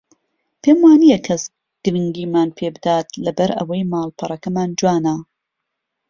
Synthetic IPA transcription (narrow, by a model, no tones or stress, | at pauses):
pʰeːmwaːnijɐkʰɐs | ɡ̥ɨɾɨŋɡiːmaːnpʰebɨd̪aːt̪lɐbɐɾɐ̰wɐjmaːlˠpʰɐɾˤɐkɐmaːnd͡ʒwaːnɐ